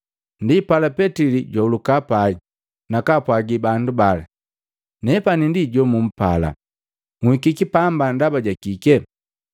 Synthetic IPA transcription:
ndipalapɛtiliɟwɔulukapaɡi | nakapwaɡibandubala | nɛpanindiɟɔmum̩pala̰ | ŋhikikipambandabaɟakikɛ

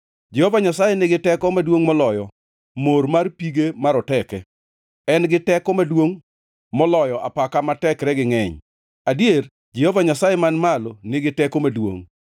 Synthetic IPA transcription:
d͡ʒɛhovaɲasajenɪɡɪtɛkɔmadwoŋmɔlɔjɔ | moɾmarpiɡemaɾɔtɛkɛ | ɛnɡɪtɛkɔmadwoŋ | mɔlɔjɔʔapakamatɛkɾɛɡɪŋɛɲ | adier | d͡ʒɛhɔvaɲasajemanmalonɪɡɪtɛkomadwo̰ŋ

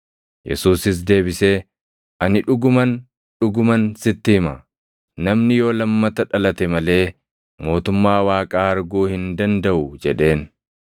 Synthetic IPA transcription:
jɛ̰suːsɪs̬d̪e̞ːbɪseː | ʔɐnɪᶑʊɡʊmɐn | ᶑʊɡʊmɐnsɪt̪ːɪhɪmɐ | nɐmnɪjo̞ːlɐmːɐt̪ɐᶑɐlɐt̪ɛmɐle̞ː | mo̞ːt̪ʊmːaːwaːkʼaːɐɾɡuːhɪnd̪ɐnd̪ɐʔʊd͡ʒɛᶑe̞ːn

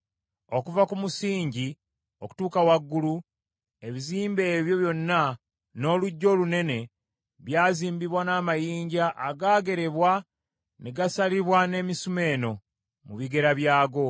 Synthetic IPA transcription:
o̞kuvakumusiːɲɟi | o̞ku̥tuːkawaɡːulu | e̞βiziːmbe̞ːβjo̞βjo̞nːa | no̞ːluɟːo̞ːlune̞ne̞ | βjaːziːmbiβwanaːmajiːɲɟaʔaɡaːɡe̞ɾe̞βwa | neɡasaliβwane̞ːmisume̞ːno̞ | muβiɡe̞ɾaβjaːɡo̞

